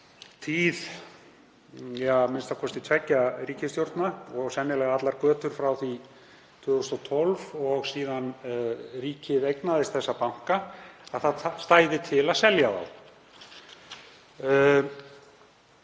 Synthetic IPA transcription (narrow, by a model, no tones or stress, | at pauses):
t̪ʰiːð | jamɪnst̪akʰɔst̪i̥t̪ʰvɛcːaɾiːcɪst̪jowɾt̪naɔɣsɛnːɪlɛɣaat̪laɾkœːt̪ʏɾ̥fɾawθi | t̪ʰʏːɣʏst̪ɔt̪ʰɔlvɔɣsiːðanriːcɪvejknaðɪst̪θɛsːapawŋ̥kaaðθaðst̪aːjðɪt̪ʰɪlaðsɛljaða̰w